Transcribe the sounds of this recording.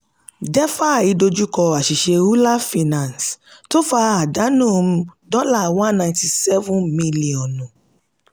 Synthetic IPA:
d͡ʒɛ˦fa˦˨i˨˦do˧d͡ʒu˦kɔ˧a˨ʃi˨ʃe˧u˦la˦fi˧nã˨nsto˦fa˧a˨da˨˦nũː˦˨m̩˧dɔ˦la˦˨wã˦nnã˧j̃ti˧sɛ˦vũ˦nmĩ˧li˨ɔ̃˨nũ˨

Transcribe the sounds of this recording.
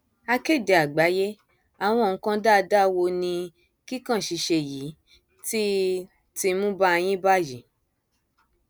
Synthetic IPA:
a˧ke˦˨de˨a˨ɡ͡ba˨˦je˦ | a˨w̃ɔ̃˧˨˦kã˦da˦˨˧da˦wo˧nĩ˧ | ki˦kã˦˨ʃi˨˧ʃe˧ji˨˦ | ti˦ | ti˧mũ˦ba˦˧j̃ĩ˦ba˦ji˨˦

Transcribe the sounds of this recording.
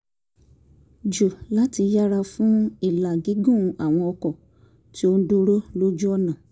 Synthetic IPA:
d͡ʒu˨la˦ti˧ja˦ɾa˧fũ˦i˦˨la˨ɡi˨˦ɡũ˦˨˧a˨w̃ɔ̃˧ɔ˧kɔ˨ | ti˦o˦n̩˦do˦ɾo˦lo˦d͡ʒu˦ɔ˦˨nã˨

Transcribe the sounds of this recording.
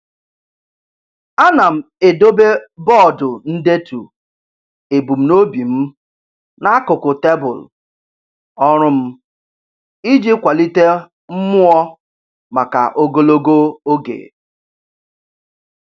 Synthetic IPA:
a˦na˨m̩˨e˨do˦be˦bɔ˦˨dʊ˨n̩˦de˦tu˨ | e˨bu˨m̩˨no˦bi˨m̩˦ | na˦a˦kʊ˨kʊ˨te˦bʊ̰˨l | ɔ˦ɾʊ˦m̩˦ | i˦d͡ʒi˦kʷa˨li˦te˦ | m̩˦mʊ˦ɔ˦ | ma˨ka̰˨ʔo˦ɡo˦lo˦ɡo˦o˦ɡḛ˨

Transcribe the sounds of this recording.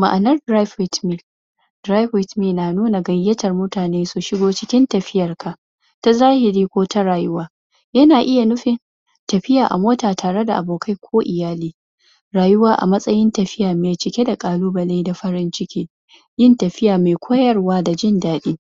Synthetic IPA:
ma˨ʔa˨nɐ˦rdɾa˦ɸɪ˦tmi˦˨ | d̥ɾa˦jɸɪ˦tmiː˦˨naː˨nuː˦na˨ɡɐ˨jːɐ˦tɐ˨rmʊ˦taː˨neː˦su˨ʃɪ˦ɡoː˦t͡ʃɪ˦kʲɪ˦ntɐ˨ɸɪ˦jɐ˨rkʰa˨ʔ | ta˦zaː˦hɪ˨ɾiː˦kʷoː˦ta˦ɾaː˨jʊ˦waː˦ | jɐ˦naː˨ʔɪ˦ja˨nʊ˦ɸɪ˨n | tɐ˨ɸɪ˦jaː˨ʔa̰˨moː˦taː˨tʰaː˨ɽe˦da̰˨ʔa˨boː˨kʰa˦jkʷʰoː˦ʔɪ˨jaː˦liː˦ | ɾaː˨jʊ˦waː˦ʔa̰˨mɐ˦sʼɐ˦jɪ˦ntɐ˨ɸɪ˦jaː˨meː˨t͡ʃɪ˨kʲe˦da˨kʼaː˨luː˦bɐ˨le˦da˨ɸɐ˦ɾɪ˦nt͡ʃɪ˦kʲiː˦ | jɪ˦ntɐ˨ɸɪ˦jaː˨meː˨kʷʰoː˦jɐ˦rwaː˦da˨d͡ʒɪ˦ndaː˦ɗiː˦

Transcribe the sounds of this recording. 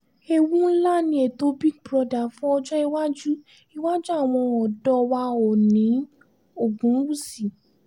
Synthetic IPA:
e˧wũ˦n̩˦la˦nĩ˧˦e˨to˧˦bi˦ɡ̚bɾɔ˧da˨fũ˦ɔ˧d͡ʒɔ˦i˧wa˦d͡ʒu˦ | i˧wa˦d͡ʒu˦a˦˨w̃ɔ̃˧ɔ˨dɔ˧wa˧ɔ˨nĩ˨˦ | o˦˨ɡũ˨˦wu˦˨si˨

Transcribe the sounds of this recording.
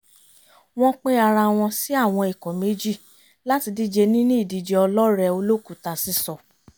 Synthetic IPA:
w̃ɔ̃˦k͡pe˦a˧ɾa˧w̃ɔ̃˧si˦a˦˨w̃ɔ̃˧i˨kɔ̃˨me˨˦d͡ʒi˦˨ | la˦ti˧di˦d͡ʒe˧nĩ˦nĩ˦i˦˨di˨˧˨d͡ʒɛ˧ɔ˧lɔ˦ɾɛ˧o˧lo˦ku˦˨ta˧˨si˦sɔ˧˨

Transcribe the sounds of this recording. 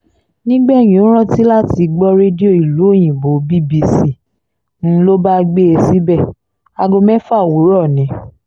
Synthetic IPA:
nĩ˦ɡ͡bɛ˦˨j̃ĩ˨o˨˦ɾ̃ã˦˨ti˦la˦ti˧˦ɡ͡bɔ˦ɾe˦di˦o˦˨i˨lu˨˦o˦˨j̃ĩ˨bo˨˦bi˦˨bi˧si˦˨ | n̩˦lo˦ba˦ɡ͡be˦e˧si˦bɛ˦˨ | a˧ɡo˧mɛ̃˦fa˦˨wu˨˦ɾɔ˦˨nĩ˨˦

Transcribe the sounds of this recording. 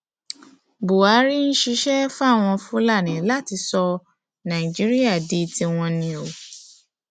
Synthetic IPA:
bo˨a˨˦ɾi˦ñ̩˦ʃi˧˦ʃɛ˦fa˦˨w̃ɔ̃˧fũ˦la˦˨nĩ˨˦la˦˨ti˧sɔ˧ | nã˨i˨d͡ʒi˨˦ɾi˦a˦˨de˧ti˧w̃ɔ̃˧nĩ˧o˨

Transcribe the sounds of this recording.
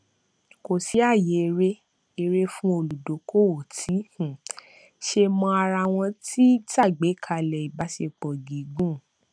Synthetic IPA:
ko˨si˨˦a˦˨je˨˧ɾe˦ | e˧ɾe˦fũ˦o˧˨lu˨do˨˦ko˦˨o˨tʰi˨˦hũ˨ | ʃe˧mɔ̃˧a˧ɾa˧˨w̃ɔ̃˧ti˦ta˦˨ɡ͡be˨˦kʰa˦˧˨lɛ˨i˨ba˨˦se˧k͡pɔ˨ɡi˨˦ɡũ˦˨

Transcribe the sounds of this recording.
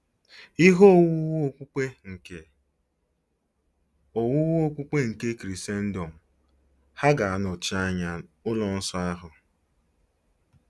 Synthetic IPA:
i˦ɦo˦˨wʊ˦wo˦kʷu˦k͡pe˦ŋ̩˨ke˨ | o˨wʊ˦wo˦kʷu˦k͡pe˦ŋ̩˨ke˦kɾi˨se˦n̩˦do˨m̩˨ | ha˦ɡa˨a˨nʊ˨t͡ʃi˦a˦ɲa˨ʊ˦lɔ˨n̩˦sɔ˦a˦ɦʊ˨

